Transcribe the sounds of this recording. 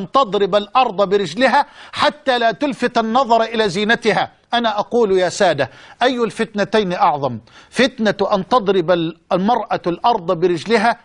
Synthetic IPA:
nt̪ɑd̪ˤɾɪbalʔɑɾˤd̪ˤɑbɪɾɪd͡ʒlɪɦaːħat̪ːaːlaːt̪ʊlfɪt̪anːɑðˤɑɾˤʔɪlaːziːnat̪ɪɦa | ʔanaːʔɑquːljaːsaːd̪aʔajːʊlfɪt̪nat̪ajniʔɑʕðˤɑmfɪt̪nat̪ʔant̪ɑd̪ˤɾɪbalmɑɾˤʔalʔɑɾˤd̪ˤɑbɪɾɪd͡ʒlɪɦaː

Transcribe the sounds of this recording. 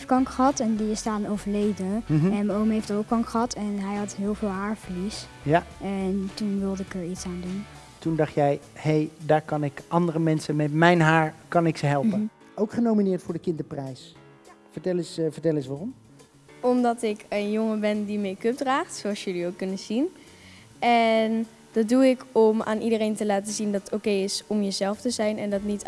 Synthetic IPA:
ftkɑŋkχəɦɑtɛndiɪstaːnnowvəɹlejdəɦɛnmowmɦejfdəɹokɑŋkχəɦɑtɛnɦɛjɦɑtɦɪːlˠvɪːlˠɦaːɹvəɹlis | jaɛntunʋɪlˠdɪkəɹitsaːndun | tundɑχtjɛjhejdaːɹkɑnɪkʔɑndərəmɛnsənmɛtmɛjnɦaːɹkɑnɪksəɦɛlˠpə | owkχənowminɪːɹtfʊːɹdəkɪndəprɛjs | vəɹtɛlɪsvəɹtɛlɪsʋaːrɔm | ɔmdɑtɪkənjoŋəbɛndimejkøp̚draːχtsoɑlˠsjɵliokːɵnənz̥in | ɛn | d̥ɑt̚duɪkɔma̰ːnʔidərejntəlaːtəzindɑttowkejɪsɔmjəzɛlˠftəzɛjnɛndɑtnit

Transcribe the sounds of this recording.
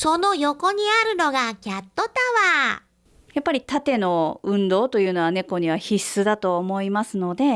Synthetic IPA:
so̞no̞jo̞ko̞ɲ̟iaɾɯ̟no̞ɡakʲat̪ːo̞t̪aβa | japːaɾʲit̪at̪e̞no̞ɯ̟̃nd̪o̞ːt̪o̞jɯ̟ːno̞βane̞ko̞ɲ̟iβ̞açisːɨd̪at̪o̞ːmo̞imasɨno̞d̪e̞

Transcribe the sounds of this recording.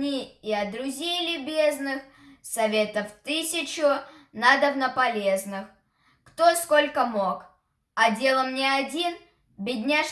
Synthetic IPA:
nʲiɪɐd̪ɾʊzʲejlʲɪbʲe̞znɨx | sɐvʲe̞t̪əft̪ɨsʲɪt͡ɕʊnad̪əvnəpɐlʲe̞znɨx | kt̪o̞sko̞lʲkəmo̞k | ɐdʲe̞lˠəmnʲeɐdʲin | bʲɪdʲnʲaʂ

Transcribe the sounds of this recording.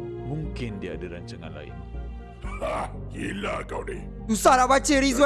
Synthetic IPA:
mũŋkɪndiaadəɾaɲt͡ʃaŋã̰nla̰ɪ̰n | akilakawdḛ | dusalabat͡ʃeɾizwa

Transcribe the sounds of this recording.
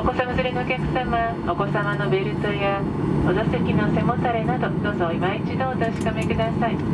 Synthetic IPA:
oko̞samazɨɾenɯokʲakɯ̟̥sama | oko̞samanobe̞ɾɯt̪oja | od̪ost̪ekʲinʲiosemot̪ːaɾainat̪od̪oːzoimait͡ɕid̪oːt̪oɕi̥kamekɯ̟d̪asai

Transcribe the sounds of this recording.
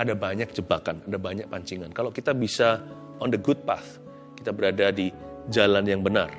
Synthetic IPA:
adabaɲak̚d͡ʒəbakanadabaɲak̚paɲt͡ʃiŋankalawkit̪abisa | ɔndəɡʊd̚pa̰θ | kit̪abəɾadadid͡ʒalanjaŋbənar

